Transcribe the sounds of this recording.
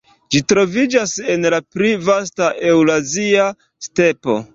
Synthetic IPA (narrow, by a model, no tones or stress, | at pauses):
d͡ʒitɾo̞vid͡ʒase̞nlapɾivastaʔe̞wlazia | ste̞po̞̰